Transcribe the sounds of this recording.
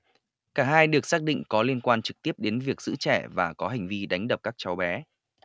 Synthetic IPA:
kaː˧˩ɦaː˧jɗɨ˨˩ək̚saː˦˥k̚ɗḭ˧˨ŋ̟kɔ˨˦li˧ənkwaː˧nt͡ɕɨ˨˩k̚t̪i˦˥əp̚ɗe˨˦nvi˨˩ək̚z̥ɨ̰˧˥t͡ɕɛ˧˩vaː˨˩kɔ˨˦ɦa˨˩ŋ̟vi˧ɗa˨˦jŋ̟ɗə˨˩p̚kaː˦˥k̚t͡ɕa˨˦wɓɛ˨˦

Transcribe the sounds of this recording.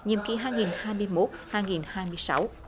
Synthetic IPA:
ɲḭ˨əmkḭ˧˩ɦaː˧jŋi˨˩nhaː˧jmɨ˧əjmo˦˥t̚haː˧jŋi˨˩nhaː˧jmɨ˧əjsa˨˦˥w

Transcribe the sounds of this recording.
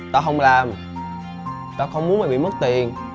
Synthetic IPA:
t̪aː˧ɦə˧wŋ͡mlaː˨˩m | t̪aː˧xə˧wŋ͡mmu˨˦əma˨˩ɓḭ˧˨mə˦˥t̚t̪i˨˩ən

